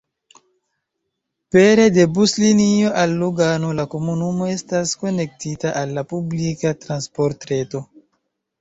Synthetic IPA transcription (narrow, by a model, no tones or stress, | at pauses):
pe̞ɾe̞de̞buslinio̞ʔalːuɡano̞lako̞munumo̞e̞stasko̞ne̞k̚titaʔalːapublikatɾanspo̞ɾtɾe̞to̞